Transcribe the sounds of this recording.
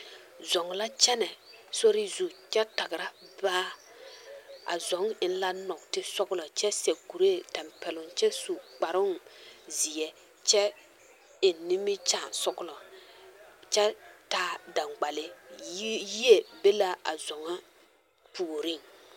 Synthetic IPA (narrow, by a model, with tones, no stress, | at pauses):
zɔ˨ŋ˨la˦t͡ʃɛ˦nɛ˨so˦ɾɪ˦zu˨t͡ʃɛ˦ta˨ɡɪ˨ɾa˦baː˦ | a̰˨zɔ˨˦ŋɪ˨n˦la˦nɔ˨ktɪ˦sɔ˦klɔ˨t͡ʃɛ˦sɛ˨ku˨ɾe˦˨tɛ˨mpɛ˨lʊ˨ŋt͡ʃɛ˦su˨k͡pa˨ɾʊ˦ŋzɪ˨ɛ˨ | t͡ʃɛ˦ | ɪ˨ni˦mɪ˦t͡ʃa˨sɔ˦klɔ˨ | t͡ʃɛ˦taː˦da˨ŋɡ͡ba˨lɪ˦ | ji˦e˨be˦la˦a̰˨zɔ˨ŋa˦ | puː˨ɾi˦˨ŋ